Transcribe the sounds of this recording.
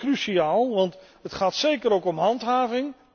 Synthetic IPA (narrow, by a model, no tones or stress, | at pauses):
kryʃiaːlˠʋɑntɦətχaːtsejkəɾowkɔmɦɑntɦaːvɪŋ